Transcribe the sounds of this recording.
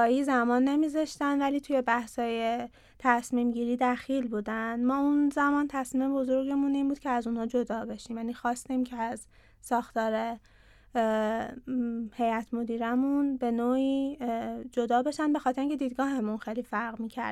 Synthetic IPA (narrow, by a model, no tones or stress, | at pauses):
ɒːiːzæmɒːnːe̞mizɒʃt̪ænd̪væliːt̪ʰuje̞bæhshɒːje̞ | t̪ʰæsmiːmɟiːɾiːd̪æxilbuːd̪ænd̪mɒːunzæmɒːnt̪ʰæsmiːme̞bo̞zo̞ɾɟemuniːmbuːd̪̚cʰeæzuːnhɒːd͡ʒo̞d̪ɒːbe̞ʃiːmjæniːxɒːst̪iːmcʰeæz | sɒːxt̪ɒːɾe̞ | he̞jæt̪ʰmo̞d̪iːɾæmunbe̞noːiː | d͡ʒo̞d̪ɒːbe̞ʃænbe̞xɒt̪ʰeɾiŋcʰʲed̪iːd̪̚ɡɒːɦe̞munxejlifæɾɣmiːcʰæ̰ɾ